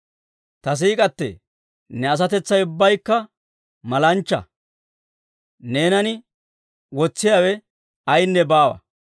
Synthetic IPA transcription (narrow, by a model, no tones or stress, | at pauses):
t̪ɐs̬iːkʼɐt̪ːɛ̰ | nɛɐs̬ɐt̪ɛt͡sːɐjʊbːɐjkːɐ | mɐlɐnt͡ʃːɐ̰ | ne̞ːnɐnɪ | wɔt͡sːɪjaːwɛ | ɐjnːɛbaːwɐ̰